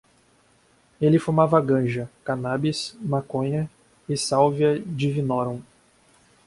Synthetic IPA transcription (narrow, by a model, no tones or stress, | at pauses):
elɪfuɾmavɐaɡɐ̃ʒɐkanabismakõɲɐ | ɪsawviɐd͡ʒɪvinɔɾɐ̃w̃